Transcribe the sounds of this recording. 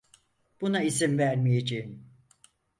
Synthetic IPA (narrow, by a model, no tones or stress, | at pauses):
b̥unais̬imvæɾmijed͡ʒejim